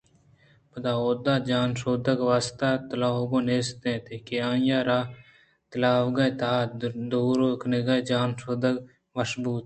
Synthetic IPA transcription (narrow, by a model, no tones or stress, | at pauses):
pəd̪aːoːd̪aːd͡ʒaːnʃoːd̪əɡʋaːst̪aːt̪ɐlaːɡõːneːst̪ẽːt̪ekeãːjaːɾaː | t̪əlaːʋɡɐjt̪aːd̪oːɾoːkneɡad͡ʒaːnsoːd̪əɡ | mɐʃbuːt̪